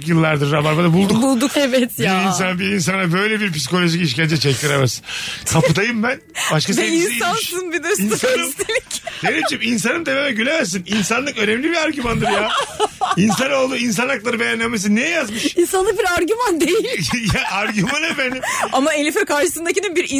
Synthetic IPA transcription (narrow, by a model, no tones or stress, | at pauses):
kjɯlˠːaɾd̪ɯɾːabaɾbad̪abulˠd̪ukbulˠd̪ukɛvɛt̪jainsanbiɾins̬anabø̞jlʲɛbiɾp̬isi̥ko̞lʲo̞ʒiciʃ̬cænʲd͡ʒɛt͡ʃʰɛc̚t̪ʰiɾemɛsinkʰapɯd̪ajɯmbænbaʃkaseinisansɯnbid̪ɯɾsinsanɯmt̪elʲicd̥̪evid͡ʒimins̬anɯmd̪e̞memɛɟylʲemæɾsininsanlˠɯkø̞nɛmlʲibiɾaɾɟymand̪ɯɾjaːins̬ano̞lˠd̪uːins̬anaklˠaɾɯbejænlːʲemes̬inejɛjazmɯʃinsanˠɯk̚biɾaɾɟymand̪ejilʲjaaɾɟymanefenimamaelʲifɛkaɾʃɯ̥sɯnd̪akcininbiɾi